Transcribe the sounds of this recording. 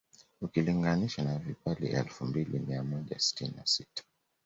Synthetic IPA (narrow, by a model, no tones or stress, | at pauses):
ukiliŋɡaniʃanavipalḭɛlfumbilḭmiamɔʄa̰si̥tininasitḁ